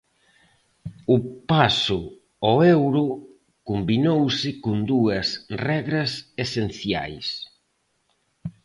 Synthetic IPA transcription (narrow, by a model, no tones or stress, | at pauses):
ʊpasʊ | ɔewɾʊ | kumbinowsɪkʊnd̪uɐsrɛɣɾɐsesen̟θja̰js